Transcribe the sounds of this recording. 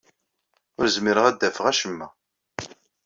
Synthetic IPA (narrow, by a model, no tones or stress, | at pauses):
ʊɾzmiɾəʁæd̪ːæfəʁæʃəmːæ